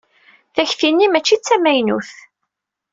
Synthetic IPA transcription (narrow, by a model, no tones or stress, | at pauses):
θæçθinːimæt͡ʃːit͡sːæmæjnuθ